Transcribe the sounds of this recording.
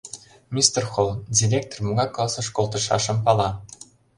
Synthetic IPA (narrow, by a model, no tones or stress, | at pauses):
mʲist̪erxolˠdʲirʲek̚t̪ormuɣɑklˠɑsɤ̆ʃkolˠt̪ɤ̆ʃɑ̰ʃɤ̆mpɑlˠɑ